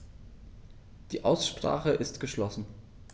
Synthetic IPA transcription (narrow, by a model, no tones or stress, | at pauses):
d̥iːʔaʊsʃpʁ̥a̰ːχəʔɪstɡ̥əʃlɔsn̩